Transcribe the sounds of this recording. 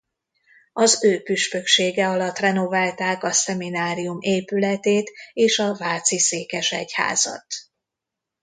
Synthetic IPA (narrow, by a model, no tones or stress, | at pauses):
ɒzøːpyʃpøkʃeːɡɛɒlɒt̪rɛno̞vaːlt̪aːkɒsɛminaːɾijumeːpylɛt̪eːt̪eːʃɒvaːt̪siseːkɛʃɛ̰cha̰ːzɒ̰t̪